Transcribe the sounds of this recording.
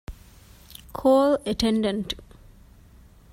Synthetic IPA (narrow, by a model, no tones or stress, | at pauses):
kʰoːləʈʰẽɳɖə̃nʈ